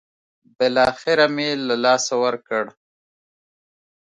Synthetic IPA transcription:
bɪlɑxɪɾamelalɑsawəɾkəɽ

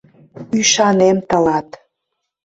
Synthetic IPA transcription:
yʃɑnemt̪əlɑt̪

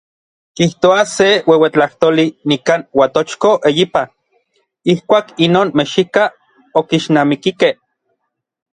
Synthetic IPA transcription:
kiht̪oasewewet͡ɬaht̪olinikaːnwat̪ot͡ʃkoʔejipa | ihkʷaːkinoːnmeʃika | okiʃnaːmikikeh

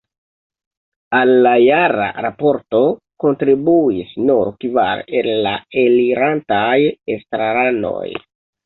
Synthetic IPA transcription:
alːajaɾa̰ɾapo̞ɾto̞ | ko̞ntɾibuisnuɾkiva̰ɾella̰eliɾantajestɾaɾano̰j

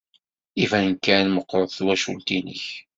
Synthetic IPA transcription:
ivænənkːænməqːɾˤəðˤθwæʃṵlt̪inə̰ç

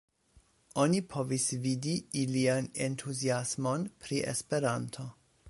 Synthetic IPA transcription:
o̞nipʰo̞visvidiiliane̞ntʰuziasmo̞npʰɾiʔḛspe̞ɾantʰo̞

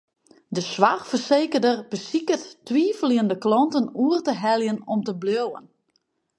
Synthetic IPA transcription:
dəsʋaxfərseːkərdərbəsikəttʋiːfliəndəklɔntənuərtəɦɛlˠjənɔmtəbljowə̰n

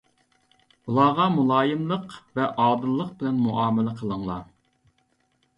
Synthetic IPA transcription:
ulˠɑʁɑmulˠɑːjɨmlˠəqvɛʔɑːd̪ɨlˠːəq̚bɪlɛnmuʔɑːmɪlɛqʰəlˠəŋlˠɑ

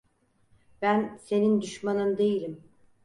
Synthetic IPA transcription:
b̥ænse̞nind̪yʃmanɯnd̪e̞jilʲim

